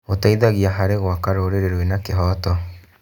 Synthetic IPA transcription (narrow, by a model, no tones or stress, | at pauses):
otaiðaɣiaɦaɾeɣwakaɾoːɾeɾeɾwenakeɦɔːtɔ